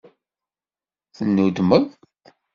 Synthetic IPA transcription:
θənːud̪məð | t̪

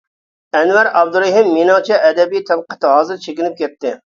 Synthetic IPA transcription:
ɛnwæɾɑb̚d̪uɾeɦɪmːenɑŋt͡ʃʰɛʔɛd̪ɛbijt̪ʰæbqə̥t̪ɨhɑːzɨɾt͡ʃʰekʲɪnɪp̚kʲɛt̪ːɪ

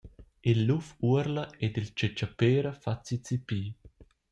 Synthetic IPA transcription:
ilːufuəɾləed̪ilt͡ʃɛt͡ʃapeːɾəfat͡sit͡sipiː

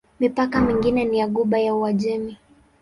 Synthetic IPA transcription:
mipakamiŋɡinɛniaɠuɓajauwaʄɛmi

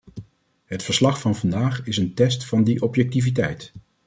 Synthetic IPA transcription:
ɦətfəɹslɑχfɑnvɑndaːχɪsəntɛstfɑndiʔɔpjɛk̚tivit̬ɛjt

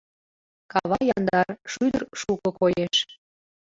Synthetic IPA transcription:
kɑβɑjɑnd̪ɑrʃyd̪ərʃukɤkojeʃ

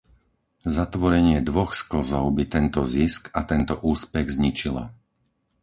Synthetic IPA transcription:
zat̪ʋɔɾɛɲɪɛd̪ʋɔxskl̩zɔʊbit̪ɛnt̪ɔziskat̪ɛnt̪ɔʔuːspɛɣzɲit͡ʃila̰

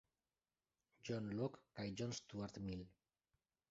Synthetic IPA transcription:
d͡ʒɔnlɔkːajd͡ʒɔnst̪uaɾt̪mil

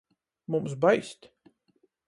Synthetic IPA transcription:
mums̬bajsʲt̪ʲ

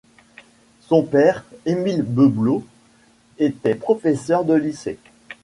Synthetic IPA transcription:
sɔ̃pɛʁemilbøblo | et̪ɛpχɔfɛsœʁd̪əlise

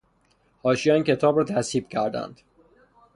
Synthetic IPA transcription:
hɒːʃijɒincʰe̞t̪ʰɒːbɾɒːt̪ʰæsiːb̥cʰæɾd̪æ̰nd̪̥

